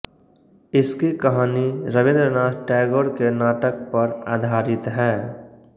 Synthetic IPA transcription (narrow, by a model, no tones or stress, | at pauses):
ɪskikəɦaːniɾəbɪ̃nd̪ɾənaːd͡ʒʈɛɡoːɾkenaːʈək̚pəɾa̰ːd̪ʱaːɾɪt̪ɦɛː